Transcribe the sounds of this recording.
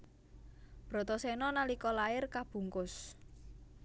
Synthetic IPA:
b̥ɾɔ̤t̪ɔsɛnɔnalikɔlaɪrkab̥ṳŋkʊs

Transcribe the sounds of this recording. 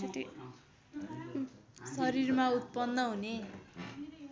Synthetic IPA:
sʌɾirmaut̪̚pʌnːʌɦune

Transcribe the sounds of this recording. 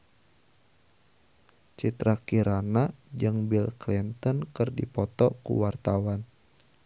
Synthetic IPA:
t͡ʃit̪ɾakiɾanad͡ʒɨŋbilklint̪ɔnkɨrdipɔt̪ɔkṵwart̪awan

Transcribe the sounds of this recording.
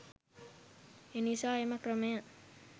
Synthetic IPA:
enisaːemɐkrəmɐja

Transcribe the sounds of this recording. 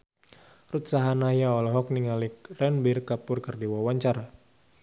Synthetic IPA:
rut̪saɦanajaɔlɔɦɔk̚niŋalikrɛnbirkapʊrkərdiwawaɲt͡ʃaɾa

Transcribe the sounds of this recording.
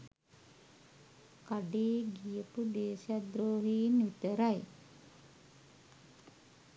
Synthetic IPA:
kaɖeːɡijəpud̪eːsjad̪ɾoːɦinʋit̪əɾaj

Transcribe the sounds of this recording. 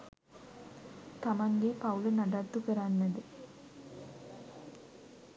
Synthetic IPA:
t̪amaŋɡepaulənaɖat̪ːukəɾanːəd̪ə

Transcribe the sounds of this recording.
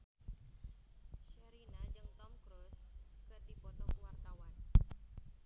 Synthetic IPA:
ʃəɾinad͡ʒɨŋt̪ɔmkɾuskɨrdipɔt̪ɔkəwart̪awan

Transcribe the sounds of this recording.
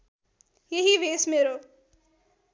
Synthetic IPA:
jeɦiʋeːsmeːɾoː

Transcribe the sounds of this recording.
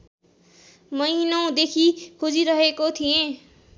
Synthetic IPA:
mʌinʌw̃d̪ekʰikʰod͡ziɾʌɦekot̪ʰijẽ

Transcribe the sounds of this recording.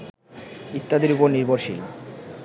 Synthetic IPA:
it̪ːad̪iɾupoɾniɾboɾʃḭl

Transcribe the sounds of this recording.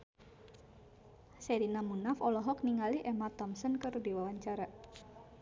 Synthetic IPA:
seɾinamunafɔlɔɦɔkniŋaliʔɛmat̪ɔmsɔnkərdiwawaɲt͡ʃaɾa

